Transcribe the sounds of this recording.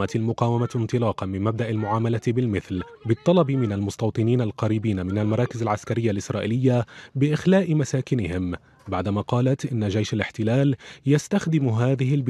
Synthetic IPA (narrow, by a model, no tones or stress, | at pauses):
at̪almʊqɑːwamant̪ˤɨlɑːqɑnmɪmːab̚d̪aʔalmʊʕaːmalabɪlmɪθl | bɪt̪ˤːɑlɑbmɪnalmʊst̪ɑwt̪ˤɨniːnalqɑɾiːbiːnamɪnalmɑɾˤɑːkɪzalʕaskaɾɪjːalʔɪsɾˤɑːʔɪlɪjːabɪʔɪxlaːʔɪmasaːkɪnɪhɪm | baʕd̪amaːqɑːlat̪ʔɪnːad͡ʒajʃalɪħt̪ɪlaːljast̪axd̪ɪmɦaːðɪɦɪlb